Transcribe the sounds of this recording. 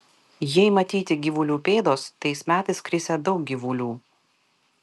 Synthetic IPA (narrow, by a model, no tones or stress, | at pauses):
jɛɪmɐt̪ʲiːt̪ʲɪɡʲiʋʊlʲuːpʲeːd̪oːst̪ɐɪsmʲæːt̪ɐɪskɾʲɪsʲɛd̪ɒʊk̚ɡʲiʋulʲuː